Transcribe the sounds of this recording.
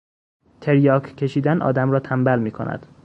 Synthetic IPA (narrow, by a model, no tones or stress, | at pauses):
t̪ʰeɾjɒːkʰkʰːe̞ʃiːd̪ænʔɒ̰ːd̪æmɾɒːt̪ʰæmbælmiːkʰo̰næ̰d̪̥